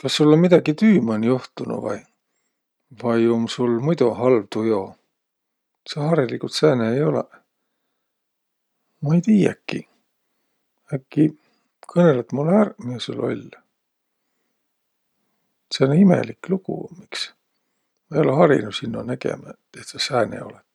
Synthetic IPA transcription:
kɑsːulːonmid̪̥ɑɡit̪yːmɑnjoht̪unṵvɑ̰j | vɑjomsulmujt̪uɦɑlvt̪ujo̞ | sehɑɾilikut̪sæːneejo̞lḛ | mɑejt̪iːjæ̰kːi | ækːi | kʰɤnelet̪mulːærmisulːo̞̰lʲ | seonimḛlikluɡ̥ṵmiks | mejolehɑɾḭnusinːo̰næɡḛmɑ | et̪sɑsæːnḛo̞̰let̪

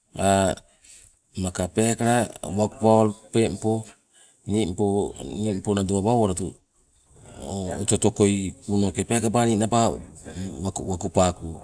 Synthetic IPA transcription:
a | makapekaɾawakupaoɾpempo | nimponimponaduaβawoɾatu | ototo̞ko̞junokepekabaninaba | awakupaku

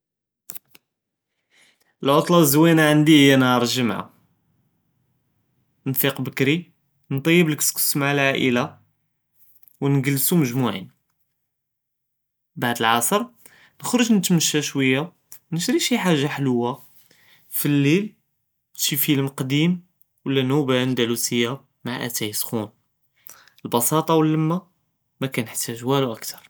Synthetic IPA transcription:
əlʕot̪ˤlɑwzwinaʕənd̪ihəjːænɑɾˤʒəmʕa̰ | nfiqbəkɾi | nt̪ˤɑjːəbləkskə̥smʕlʕaʔə̰la | wnɡəlːsuməʒmuʕḭn | baʕd̪əlʕɑsˤəɾˤ | nəxɾoʒnət̪məʃːæʃwəjːa | nəʃɾiʃiħaʒːaħləwːa | filːil | t̪ʃifəlmqd̪im | wəlːænubænd̪ælusəjːa | maʕʔæ̰t̪æjəsxun | əlbɑsɑt̪ˤɑwəlːəmːa | mækænəħt̪ːæʒwæluʔækt̪ʰɑɾˤ

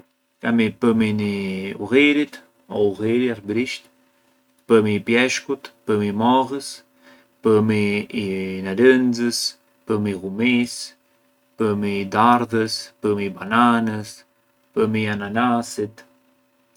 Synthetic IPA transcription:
kamipəminiuɣeɾit̪ | ɔuɣeɾiaɾbɾiʃt̪ | pəmiːpjɛʃkut̪pəmimɔɣəs | pəmiː | nalənzəs | pəmiɣumis | pəmid̪aɾðəspəmibananəs | pəmiananasit̪

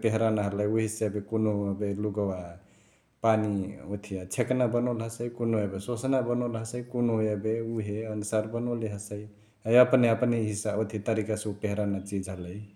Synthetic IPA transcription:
peɦɾanaɦələjuɦisebekonoəbeluɡəwa | paniot̪ʰijat͡ʃʰeknabənolɦəsəikonoebesosnabənəlɦəsəikonoɦebeuɦeənusaɾbənoliɦəsəj | əjəpneəpniɦisaot̪ʰit̪əɾikasẽupeɦɾanat͡ʃid͡ʒɦələj

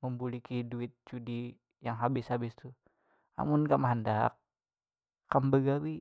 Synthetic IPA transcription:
məmbulikiduɪt̪̚t͡ʃudi | jaŋɦabɪshabɪst̪u | a̰mʊnkamaɦandak̚ː | ambəɡawi

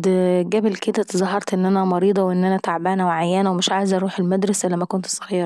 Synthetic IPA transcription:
d̪ɡæbelked̪æt̪ezˤɑhɑɾˤt̪ʔenːʔænæmɑɾiːd̪ˤɑwʔenːʔænæt̪aʕbæːnæweʕajːænæwemeʃʕaːjezʔɑɾˤuːħelmæd̪ɾˤɑsʔælːæmækont̪sˤɑɣiːɾɑ

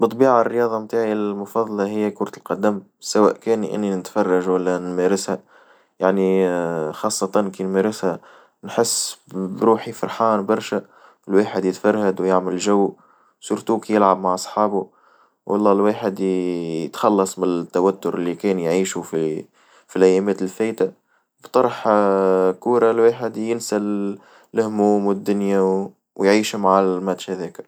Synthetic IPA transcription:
bɨt̪ˤːbiːʕarːəjɑːðˤɑmt̪aːʕilmʊfɑðˤɑlɑɦɪjːækʊɾˤɑt̪əlqɑd̪æm | sawæ̰ːʔkæːnʔɪ̰nːinɪt̪fɑrˤːɑʒwælːænmæɾɪshæ | jaʕnixɑːsˤːɑt̪ɑnkinmæɾɪshæ | nħɪsːbɾuːħifɑɾˤħaːnbɑɾˤʃæ | ɪlwaːħəd̪jɪt̪fɑɾˤhad̪wjaʕmɪlʒæwː | suːɾt̪uːkijɪlʕabmaʕʔɑsˤħɑːbu | wʔɑ̰lˤːɑːlwaːħɪd̪jət̪xɑlːɑsˤmɪnt̪ːawæt̪ːʊɾʔɪlːikɛːnjʕiːʃufi | filʔæjːɛːmɛːt̪ɪlfæːjt̪a | bt̪ˤɑɾˤħ | kuːɾɑlweːħɪd̪jɪnsa | lʊhmuːmwɪd̪ːʊnja | wjʕiːʃmaʕmæt̪ʃhæðɛːk

